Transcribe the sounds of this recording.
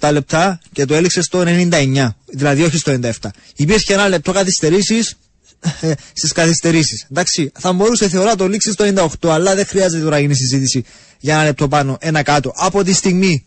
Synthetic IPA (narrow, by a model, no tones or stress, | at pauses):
t̪ɐle̞p̚t̪ɐce̞t̪oe̞likse̞st̪o̞ene̞nind̪ɐe̞ɲːɐðilɐðio̞çist̪onind̪ɐe̞ft̪ɐ | ipiɾçeenɐle̞p̚t̪o̞kɐθist̪e̞ɾisis | st̪iskɐθist̪e̞ɾisisnd̪ɐksiθɐmbo̞ɾuse̞θe̞o̞ɾɐt̪̬o̞liksist̪oenind̪ɐoxt̪o̞ɐlːɐðe̞xɾiɐze̞t̪et̪oɐɐʝinis̬izit̪isi | ʝɐenɐle̞p̚t̪o̞pɐno̞ʔe̞nɐkɐt̪o̞ʔɐpo̞t̪̬ist̪iɣmi